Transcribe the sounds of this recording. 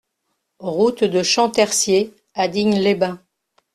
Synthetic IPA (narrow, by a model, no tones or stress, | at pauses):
ʁut̪d̪əʃɑ̃t̪ɛʁsje | ad̪iɲlebɛ̃